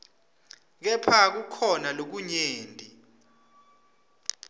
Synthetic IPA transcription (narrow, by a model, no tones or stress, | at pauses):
k̬ɛpʰak̬ukʰɔnalok̬uɲeːndʼʱi